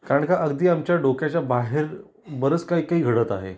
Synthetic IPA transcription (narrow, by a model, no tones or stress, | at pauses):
kaɾəɳkaʔəɡd̪iːamt͡ɕjaɖokjat͡ɕjabaɦeɾ | bəɾət͡skaɦikaɦiːɡʱəɽət̪a̰ɦḛ